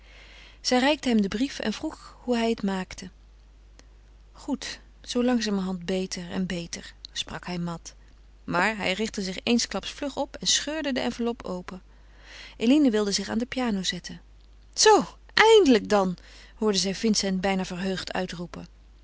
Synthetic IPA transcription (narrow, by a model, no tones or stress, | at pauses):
z̥ɛjrɛjk̚təɦɛmdəbrifɛ̰nvruχhuɦɛjətmaːktʰə | χut | zowlɑŋzaːməɦɑndbejtəɹɛ̰nbejtəɹsprɑkɦɛjmɑt | maːɹɦɛ̰jrɪχtəzɪχejnsklɑpsflɵχɔpɛnsχøːɹdədəɛnvəɹlɔpowpə | ʔelinəʋɪlˠdəzɪχa̰ːndəpjaːnowzɛtʰən | z̥ow | ʔɛjndələk̚dɑn | hʊːɹdəzɛjvɪnsɛntbɛjnaːvəɹɦøɥχtʰœ̰ɥtrupə